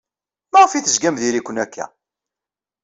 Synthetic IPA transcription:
mæʁəfiθəzɡæmðiɾikʷːənækːæ̰

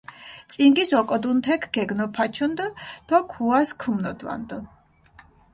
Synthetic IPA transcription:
t̪sʼiŋɡisɔkʼɔd̪unt̪ʰɛkʰɡ̥ɛɡnɔpʰat͡ʃʰund̪d̪̥ɔkʰuaskʰumnɔd̪va̰nd̪ɔ

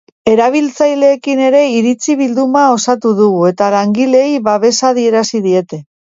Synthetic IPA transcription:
e̞ɾaβ̞ilt͡sajle̞ːkine̞ɾe̞iɾit͡siβild̪umao̞sat̪uðuɣue̞t̪alaŋɡile̞jβaβe̞saðie̞ɾasiðie̞t̪e̞

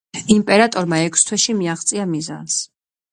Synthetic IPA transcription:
impʼɛɾat̪ʼɔɾmaɛkʰst̪ʰwɛʃimiaχt̪sʼiamiza̰ns

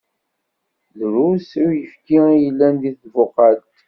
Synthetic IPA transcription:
ðɾusuɾjəfkiijəlːænd̪iθvʊqɑt̪

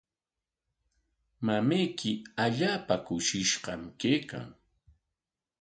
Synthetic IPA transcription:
mamajkɪaʎaːpakʊʃɪʃɢɑmkejka̰ŋ

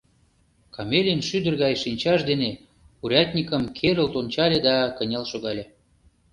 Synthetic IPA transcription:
kɑmelʲenʃyd̪ə̆rɣɑjʃinʲt͡ɕɑʃd̪ene | uɾʲɑt̪ʲnʲikə̆mkʰeɾə̆lt̪onʲt͡ɕɑlʲed̪ɑkənʲɑlʃoɣɑlʲe

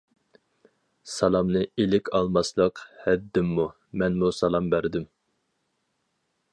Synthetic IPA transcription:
sɑlˠɑmnɨilɪkʲʰɑlˠmɑslˠəqhɛd̪ːɪmːu | mɛnmusɑlˠɑmbæɾd̪ym

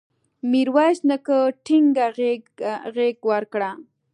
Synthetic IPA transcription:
miɾwaʃnakəʈʰiŋɡaɣeɣeɡwaɾkɽa

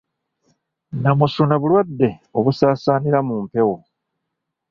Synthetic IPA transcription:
namusunaβulwadːe̞o̞βusaːsaːniɾamuːmpe̞wo̞

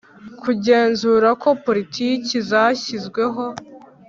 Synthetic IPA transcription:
kuɟe̞ːnzuɾako̞po̞ɾitʰiːcizaçizɡwe̞ɦo̞

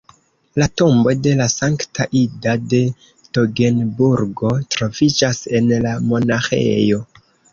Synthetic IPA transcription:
lato̞mbo̞de̞lasaŋktʰaʔidade̞ | toɡe̞nbuɾɡo̞tɾo̞vid͡ʒase̞nlamo̞naxḛjo̞

